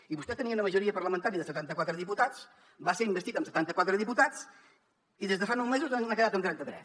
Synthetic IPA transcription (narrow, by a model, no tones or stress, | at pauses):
iβust̪ɛt̪əniəunəməʒuɾiəpəɾrləmə̃nt̪aɾiəðəsət̪ant̪əkwat̪ɾəðiput̪at͡s | baseɾimbəst̪it̪əmsə̥t̪ant̪əkwat̪ɾəðiput̪at͡s | iðezðəfanɔwmezuzaakəðat̪əmt̪ɾɛnt̪ət̪ɾɛs